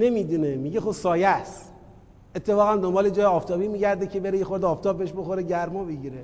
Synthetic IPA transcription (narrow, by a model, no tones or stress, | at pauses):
ne̞mid̪unemiɟexobsɒːjæst̪ | et̪ʰːe̞fɒːɣænd̪ombɒːled͡ʒɒːjeɒːft̪ɒːbiːmiːɟæɾd̪ecʰe̞beɾejexoɾd̪ɒːft̪ʰɒːbːeeʃboxoɾeɟæɾmɒbeɟiːɾe